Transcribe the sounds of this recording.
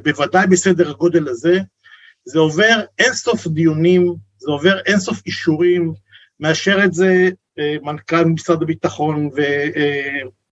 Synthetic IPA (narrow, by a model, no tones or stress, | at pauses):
bevad̪ajbese̞d̪e̞ʁhaɡo̞d̪e̞laze̞ | zeo̞ve̞ʁenso̞fd̪ijonim | zeo̞ve̞ʁenso̞fiʃuʁimː | e̞aʃe̞ʁetze̞ | mankalmmisʁad̪abit̪aχo̞nve